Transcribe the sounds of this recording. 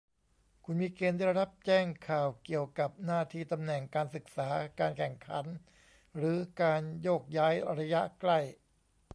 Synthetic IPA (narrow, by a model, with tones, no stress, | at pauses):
kʰu˧nmiː˧keː˧ndaː˥˩ɾɾa˦˥p̚t͡ɕɛː˥˩ŋkʰaː˨˩wki˨˩əwka˨˩p̚naː˥˩t̪ʰiː˥˩t̪a˧mnɛ˨˩ŋkaː˧nsɯ˨˩k̚saː˩˦kaː˧nkʰɛ˨˩ŋkʰa˩˦n | ɾɯː˩˦kaː˧njoː˥˩k̚jaː˦˥jɾa˧ja˦˥ʔkla˥˩j